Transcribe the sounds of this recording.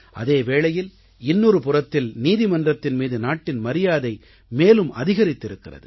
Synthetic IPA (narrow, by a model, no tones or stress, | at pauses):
ʔɐ̰ðeːʋeːɭɐjɪl | ɪnːoːɾɯpʊrɐt̪ːɪlniːðɪmɐndrɐt̪ːɪnmiːðɯnaːʈːɪnmɐɾɪjaːðɐɪ | meːlɯmɐ̰ðɪɣɐɾɪt̪ːɪɾɯkːɪrɐ̰ðɯ̰